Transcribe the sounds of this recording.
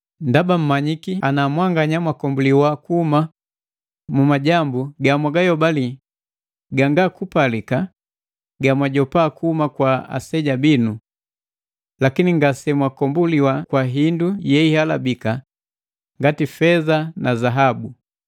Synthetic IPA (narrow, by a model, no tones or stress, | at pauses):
ndabam̩maɲikianamwaŋɡaɲamwakɔmbuliwakuhuma | mumaɟambuɡamwaɡajɔbali | ɡaŋɡakupalika | ɡamwaɟɔpaːkuhumakwaa̰sɛɟabinu | lakiniŋɡasɛmwakɔmbuliwakwaɦindujɛihala̰bika | ŋɡatifɛzanazaɦabu